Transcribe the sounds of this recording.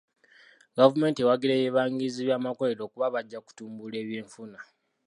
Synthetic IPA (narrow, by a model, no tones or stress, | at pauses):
ɡavume̞ːntiewaɡiɾejeβaːŋɡiziβjaːmakoleɾo̞ːkuβaβaɟːaku̥tuːmbule̞ːβjiːɱfuna